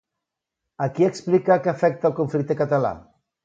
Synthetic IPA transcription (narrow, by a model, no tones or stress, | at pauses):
akieksplikakeafɛk̚t̪alˠkoɱflik̚t̪ekat̪ala̰